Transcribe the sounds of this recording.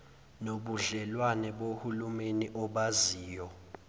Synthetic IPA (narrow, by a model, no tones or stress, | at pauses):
noɓuɮɛlwanɛɓohulumeniʔɔɓaziːjɔ